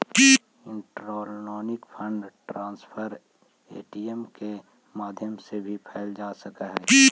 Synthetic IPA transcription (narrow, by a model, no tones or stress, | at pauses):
ki | ɪ̃ɳʈɾoːlnoːnɪkpʰə̃ɳɖʈɾãːnspʰəɾ | ḛːʈiemke | maːd̪ʱjəmsebʱipʰɛːld͡ʒaːsɐkaɦɛːi